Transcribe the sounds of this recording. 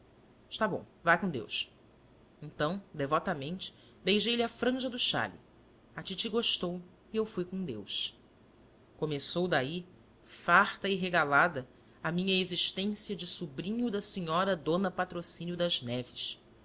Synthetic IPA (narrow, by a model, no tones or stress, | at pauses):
ɪ̥ʃt̪abõ̰w̃vajkõd̪ḛws | ẽnt̪ɐ̃w̃d̪evɔt̪ɐmẽnt͡ʃɪ̥ | d̪ejʒejlɪɐfɾɐ̃ʒɐd̪ʊʃa̰lḭ | at͡ʃit͡ʃiɡoʃt̪ow | iewfujkõd̪ḛwʃ | komesowd̪ai | faχt̪ɐiɦeɡalad̪ɐ | ɐmĩɲɐeziʃt̪ẽsiɐd͡ʒɪsubɾĩɲud̪ɐsiɲɔɾɐd̪õnɐpat̪ɾosĩnjʊd̪ɐʒnɛvɪʃ